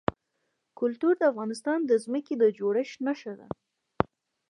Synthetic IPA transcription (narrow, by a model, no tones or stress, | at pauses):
kʊlt̪uɾd̪əafɣɑnɪst̪ɑnd̪əzməked̪əd͡ʒoɽəʃnaʃad̪a̰